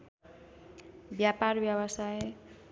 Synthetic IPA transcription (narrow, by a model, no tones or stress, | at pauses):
bjaparbjʌwʌsaj